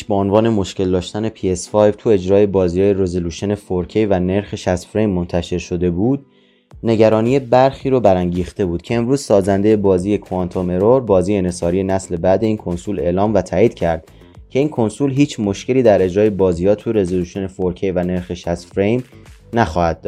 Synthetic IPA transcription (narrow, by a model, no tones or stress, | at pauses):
ʃbeonvɒːne̞mo̞ʃce̞ld̪ɒːʃt̪æne̞pʰie̞sfɒjb̥t̪ʰue̞d͡ʒɾɒːje̞bɒːziːjɒːjeɾe̞zoluːʃo̞ne̞foɾcʰejvæne̞ɾxeʃæst̪fɾe̞jmːo̞nt̪ʰæʃe̞ɾʃo̞d̪e̞buːd̪̥̚ | ne̞ɟæɾɒːniːje̞bæɾxiːɾobæɾæŋɟiːxt̪e̞buːd̪̥̚cʰe̞eːmɾuːz̥sɒːzænd̪eje̞bɒːziːje̞kʰont̪ʰome̞ɾoɾbɒːziːjenesɒːɾije̞næsle̞bæd̪e̞iːnkʰo̞nsule̞ʔlɒːmvæt̪ʰæːʔiːd̪̥̚cʰæɾd̪̥ | cʰe̞iːnkʰo̞nsulɦiːt͡ʃʰmoʃkce̞liːd̪æɾe̞d͡ʒɾɒːje̞bɒːziːhɒːt̪ʰuɾe̞zoluːʃo̞ne̞foɾkʰejvæne̞ɾxeʃæst̪fɾejm | næxɒːhæd̪̚ːɔd̪